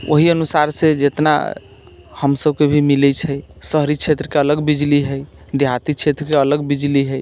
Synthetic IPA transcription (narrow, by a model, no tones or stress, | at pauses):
ʔo̰ɦiənusaɾsed͡ʒet̪na̰ | həmsəbkebʱimilɛt͡ʃʰəjsəɦɾit͡ʃʰet̪ɾəkeələɡbid͡ʒliɦəj | d̪ʱjat̪it͡ʃʰet̪ɾəkeələɡbid͡ʒliɦəj